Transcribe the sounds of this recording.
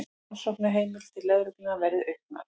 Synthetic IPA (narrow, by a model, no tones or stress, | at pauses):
sɔwknʏɦeːjmɪl̥t̪ʰɪlːɛðɾʏk̪ɪnavɛɾðɪœɥkna̰ð